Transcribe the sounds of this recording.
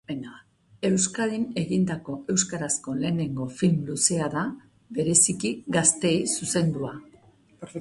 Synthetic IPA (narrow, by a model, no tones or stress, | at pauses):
bena | e̞wskaðine̞ɣind̪ako̞e̞wskaɾasko̞le̞ːne̞ŋɡo̞filmluse̞aða | be̞ɾe̞sikiɡast̪e̞jsuse̞nd̪ua